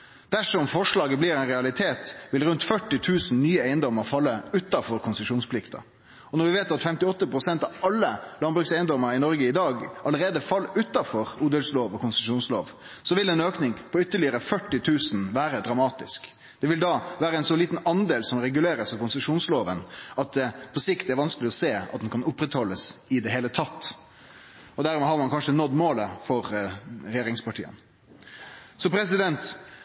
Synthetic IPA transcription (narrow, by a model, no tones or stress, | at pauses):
d̪̥æʂɔmfɔʂɭɑːɡəbliɾɛɪnʁɛɑlɪt̪ʰeːt̪ʋɪlɾʉnt̪fœʈːɪt̪ʰʉːsn̩nyːəæɪənd̪ɔməɾfɑlːəʉt̪ːɑfɔɾkʰʊnsəʂuːnspʰlɪkt̪ɑ̰ | ɔnɔɾʋɪʋeːt̪ɑt̪fɛmt̪ɪɔt̪ːəpɾʊsɛnt̪ɑʋɑlːəlɑnbɾʉksæɪənd̪ɔməɾɪnɔɾɡəɪd̪ɑːɡʔɑləɾeːd̪əfɑlːʉt̪ːɑfɔɾuːd̪əlsloːʋɔkʊnsəʂuːnslo̰ːʋ | sɔʋɪlɛnøːknɪŋpʰɔʏt̪ːəɭɪəɾəfœʈːɪt̪ʰʉːsnʋæːɾəd̪ɾɑmɑːt̪ɪsk | d̪̥ɛʋɪld̪ɑːʋæːɾəɛɪnsɔliːt̪n̩ɑnd̪eːlsɔmɾɛɡʉleːɾəsɑʋkʊnsəʂuːnsloːʋənɑt̪̚d̪ɛpʰɔsɪkt̪ɛæɾʋɑnskəlɪɔseːɑ̰t̪d̪ɛnkʰɑnʊpːɾɛt̪hɔlːəsɪd̪ɛɦeːlət̪ʰɑt̪ː | ɔd̪æɾmɛːɦɑɾmɑnkʰɑnʂənɔd̪moːləfɔɾɾɛjeːɾɪŋspɑʈʰḭːə̰n | sɔpɾɛs̬ɪd̪ɛnt̪